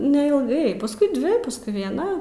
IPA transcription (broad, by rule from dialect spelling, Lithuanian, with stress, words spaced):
nʲɛɪlˠˈɡɐɪ pɐsˈkʊɪ ˈdʲʋʲɪ pɐsˈkʊɪ ʋʲiɛˈnɐ